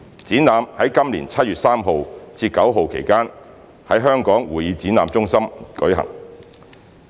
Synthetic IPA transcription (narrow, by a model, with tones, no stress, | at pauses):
t͡siː˨˥naː˨˧mhɐ˨˥jkɐ˥mlḭː˨˩nt͡sʰɐ˥t̚yː˨t̚saː˥mɦo˨˧wt͡siː˧tkːɐ˨˥wɦo˨˧wkʰḛ˨˩jkaː˥n | hɐ˨˥jɦœː˥ŋkɔː˨˥ŋwuː˨˩jiː˨˧t͡siː˨˥naː˨˧mt͡sʊ˥ŋsɐ˥mkɵ˨˥ɥɦɐ̰˨˩ŋ